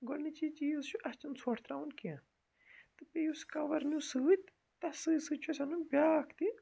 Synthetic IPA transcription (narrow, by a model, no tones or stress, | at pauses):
ɡɔlnit͡ʃit͡ʃiːzt͡ʃʰuʔɐst͡ʃɐnsʰɔʈʰt̪ɾaːwunkiɐ̃ | t̪ɨpejuskɐʋɐɾnusɨt̪ | t̪ɐsɨːsɨt͡ʃʰusɐnunbʲaːkʰt̪i